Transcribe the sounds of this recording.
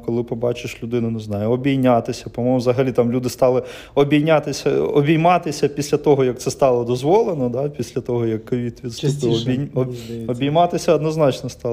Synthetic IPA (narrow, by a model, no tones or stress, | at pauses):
kɔlˠɪpɔbɑt͡ʃɪʃlʲʊd̪ɪnʊnʊznɑjʊɔbʲijnʲɑt̪ɪsʲɐpɔmɔmɔwzɐɦɐlʲit̪ɑmlʲud̪ɪst̪ɑlˠɪ | ɔbʲijnʲɑt̪ɪsʲɐɔbʲijmɑt̪ɪsʲɐpʲisʲlʲɐt̪ɔɦɔjɐk̪̚sɛst̪ɑlˠɔd̪ɔzʋɔlˠenɔd̪ɑpʲisʲlʲɐt̪ɔɦɔjɐkːɔʋʲit̪ʋʲid̪sut̪ɔbʲi | ɔbʲijmɑt̪ɪsʲɐɐd̪nɔznɑt͡ʃnɔst̪ɑ